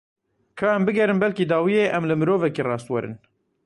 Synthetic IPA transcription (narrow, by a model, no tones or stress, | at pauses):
kʰɑːɛmbɨɡɛɾɨmbɛlkid̪ɑːwijeːʔɛmlɨmɨɾoːvɛkeːrɑːst̪wɛɾɨ̰n